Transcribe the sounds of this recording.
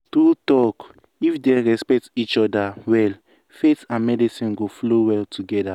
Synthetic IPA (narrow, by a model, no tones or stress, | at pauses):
tutɔk | ifdeɹɛspɛk̚tit͡ʃɔdawɛl | fetãnmɛdisĩnɡoflowɛltʰuɡɛda